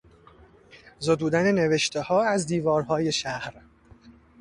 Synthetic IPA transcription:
zod̪uːd̪ænene̞veʃt̪ʰehɒːæzd̪iːvɒːɾhɒːje̞ʃæhɾ

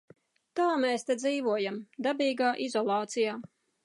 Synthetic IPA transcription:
t̪aːmɛːst̪ed̪ziːvuɔjamd̪abʲiːɡaːʔizɔlˠɑːt̪sijaː

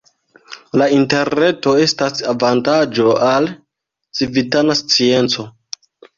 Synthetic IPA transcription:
lainte̞ɾne̞to̞e̞stasavantad͡ʒo̞al | t͡sivitanast͡sie̞nt͡so̞

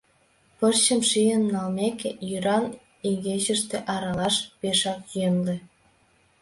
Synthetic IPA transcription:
pərt͡ɕə̆mʃijənːɑlmekejyɾɑn | iɣeʑə̆ʃt̪eʔɑɾɑlɑʃpeʃɑkjønlĕ

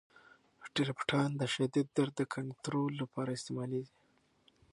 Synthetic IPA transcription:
ʈiɾpʈʰɑnd̪əʃad̪id̪ːaɾəkʰaɳt̪ɾolːapɑɾaɪst̪emɑleɡi

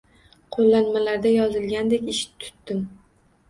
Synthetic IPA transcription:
qʰolˠːanmalaɾd̪ajɒzɪlɡʲand̪ekʲɪʃɪ̥t̪ʰʊ̥t̪ːɪm

